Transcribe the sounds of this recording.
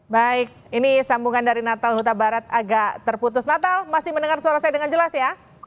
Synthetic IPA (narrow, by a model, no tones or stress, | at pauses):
baɪk̚inisambuŋandaɾinat̪alɦut̪̬abaɾat̪̚aɡaʔt̪ərput̪̬ʊsnat̪almasɪhmənəŋarsuaɾasajadəŋand͡ʒəlasja